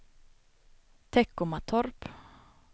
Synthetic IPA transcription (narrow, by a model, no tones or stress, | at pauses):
t̪ʰɛkːʊmat̪ʰɔɾp